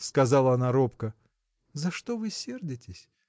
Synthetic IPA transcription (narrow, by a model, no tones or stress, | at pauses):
skɐzɑlˠəɐnaɾo̞pkə | zɐʂt̪ovɨsʲe̞rdʲɪtʲɪsʲ